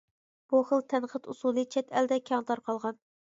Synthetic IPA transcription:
b̥uχəlˠt̪ʰɛnqʰət̪usulˠɨt͡ʃʰɛt̪ʰɛld̪ɛkʲʰɑŋt̪ɑɾqʰɑlˠʁɑn

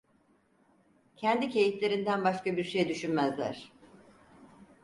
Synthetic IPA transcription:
cʰɛnd̪icʰe̞jiflʲe̞ɾind̪ænbaʃkabiɾʃejd̪yʃynmæzlʲæ̰ɾ̥

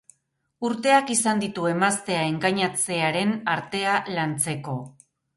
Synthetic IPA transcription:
uɾt̪e̞akisand̪it̪ue̞mast̪e̞ae̞ŋɡaɲat͡se̞aɾe̞naɾt̪e̞alant͡se̞ko̞

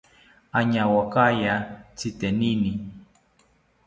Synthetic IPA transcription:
aɲawakajat͡sit̪ɛnini

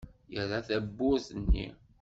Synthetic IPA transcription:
jəɾaθæbːʊɾθənːḭ

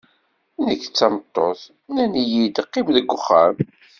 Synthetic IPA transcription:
nəkːt͡sːɑmət̪ˤːoθ | nænijid̪qːɪmðəɡʷːʊχːam

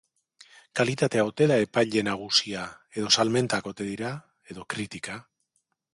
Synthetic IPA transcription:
kalit̪at̪e̞awt̪e̞ðae̞pajʎe̞naɣ̞usiae̞ð̞o̞salme̞nt̪ako̞t̪e̞ð̞iɾa | e̞ðo̞kɾit̪ika

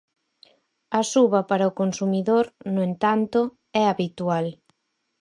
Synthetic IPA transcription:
ɐsuβɐpaɾɐʊkonsumiðoɾnʊent̪ant̪ʊ | ɛaβit̪ual

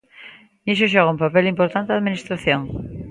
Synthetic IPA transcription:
nis̬oʃ̬ɔɣaũmpapelimpoɾt̪ant̪eðaðminist̪ɾaθjoŋ

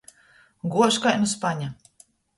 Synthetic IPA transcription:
ɡuɔʃkajnuspaɲa

